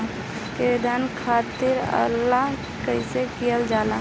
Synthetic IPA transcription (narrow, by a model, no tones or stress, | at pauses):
ked̪ʱankʰaːt̪ɪɾə̰lːa | kəɪsekijəld͡ʒaːla